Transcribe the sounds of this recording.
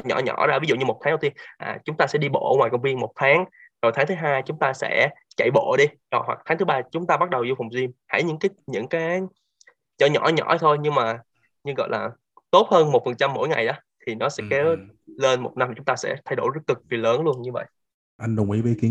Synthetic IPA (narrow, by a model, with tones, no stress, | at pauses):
ɲɔ̰˧˩ɲɔ̰˧˩˥zaː˧vi˨˦zṵ˧˨ɲɨ˧mo˨˩t̪̚ʰaː˨˦ŋ˦˨˧t̪i˧əmʔa̰ː˨˩t͡ɕʊ˨˦ŋ͡mt̪aː˧sɛ̰˧˥ɗi˧ɓo̰˧˨˧ŋwaː˨˩jkə˧wŋ͡mvi˧ənmo˨˩t̚t̪ʰaː˨˦ŋ | ɗə˨˩jt̪ʰaː˨˦ŋt̪ʰːɦaː˧jt͡ɕʊ˨˦ŋ͡mt̪aː˧sɛ̰˧˥t͡ɕa̰˧˨jɓo̰˧˨ɗi˧ɗɔ˨˩jɦwa̰˨˩k̚t̪ʰaː˨˦ŋt̪ɨ˨˦ɓaː˧t͡ɕʊ˨˦ŋ͡mt̪aː˧ɓa˦˥t̚ɗə˨˩wzu˧fa˨˩wŋ͡mzi˧əmha̰˧˩jɲɨ̰˧˥ŋkaː˨˦ɲɨ̰˧˥ŋkaː˨˦j | t͡ɕɔ˧˩ɲɔ̰˧˩ɲɔ̰˧˥t̪ʰo˧jɲɨ˧ŋmaː˨˩ | ɲɨ˧ŋɣɔ̰˧˨jlaː˨˩ | t̪o˦˥t̚həː˧nmo˨˩t̚fə˨˩nt͡ɕa˧mːo̰˧˥jŋa̰˨˩jɗɔ˨˦t̪ʰi˨˩nɔ˨˦sɛ̰˧˥ke˨˦le˧nmo˨˩t̚na˧mːa˨t͡ɕʊ˨˦ŋ͡mt̪aː˧sɛ̰˧˥t̪ʰa˧jɗo̰˧˩jzə˦˥kɨ˨˩k̚vi˨˩ləː˨˦nlu˧ənɲɨ˧və̰˧˨j | ʔa˧jŋ̟ɗʊ˨˩ŋ͡mʔḭ˧˦ɓi˨˧˦ki˨˦